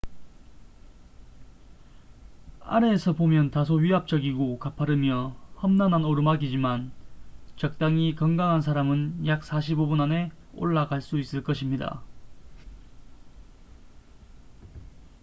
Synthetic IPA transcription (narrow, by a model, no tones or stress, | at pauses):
a̰ɾe̞ːsʰʌbomjʌntasʰoɥiɦap̚t͡ɕ͈ʌɡiɡokapʰaɾɯmjʌhʌmnanɦanoɾɯmaɡid͡ʑiman | t͡ɕʌk̚t͈aŋikʌŋɡaŋɦans̬ʰaɾamɯnjak̚sʰaɕ̬ʰibobunane̞ | o̰ɭːaɡaɭs͈uis͈ɯɭk͈ʌɕʰimɲida̰